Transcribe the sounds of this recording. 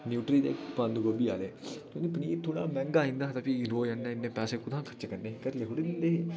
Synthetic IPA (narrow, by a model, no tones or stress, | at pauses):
njuːʈɾiːd̪ḛːkpãːnd̪uɡobia̰ːleːk̪õnd̪ipəniːt̪ʰoːɽ̃aːmɛ̃ːŋɡaːĩnd̪aːɦt̪aːpiɾoːjãnːãːɪnːẽːpɛːseːkʊd̪ãːkʰə̥t͡ʃːkəɾneːkəɾleːɦoɽile